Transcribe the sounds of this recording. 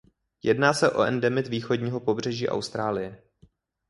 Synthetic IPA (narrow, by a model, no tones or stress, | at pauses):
jɛdnaːsɛʔo̞̰ʔɛndɛmɪt̪viːxo̞dɲiːɦo̞po̞br̝ɛʒiːʔa̰wst̪ɾaːlɪjɛ